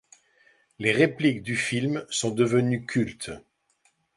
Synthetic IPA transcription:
leʁeplikd̪yfilmsɔ̃d̪əvənykʲʰylt̪

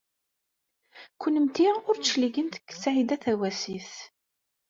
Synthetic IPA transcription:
kʊnəmt̪iʊɾliɡənt̪ə̥kːsaʕid̪æθæwæsiθ

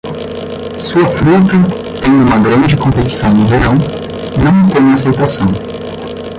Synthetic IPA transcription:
suɐfɾut̪ɐ | t̪ẽj̪̃ũmɐɡɾɐ̃nd͡ʒɪkõmpet͡ʃi̥sɐ̃w̃nʊveɾɐ̃w̃ | nɐ̃w̃t̪ẽj̃asejt̪asɐ̃w̃

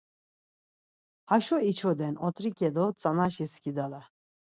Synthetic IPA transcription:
haʃɔit͡ʃʰɔd̪ɛnɔt̪ʼɾikʼɛd̪ɔt͡sʼanaʃiskʲid̪ala

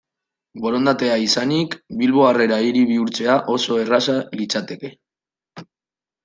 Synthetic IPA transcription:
bo̞ɾo̞nd̪at̪e̞aisanikbilβo̞are̞ɾaiɾiβiuɾt͡se̞aʔo̞so̞e̞rasalit͡sat̪e̞ke̞

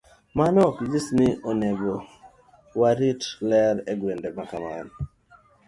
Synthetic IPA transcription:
manɔkd͡ʒisnɪʔɔnɛbo | waɾitlɛɾɛɡwendɛmakama̰n

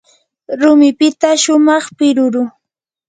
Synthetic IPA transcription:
ɾʊmɪpɪt̪aʃʊmɑχpɪɾʊɾʊ

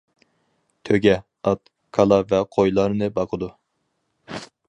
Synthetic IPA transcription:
t̪ʰøɡʲɛ | ɑt̪̚ | kʰɑlˠɑvɛqʰojlˠɑɾnɨbɑqʰəd̪u

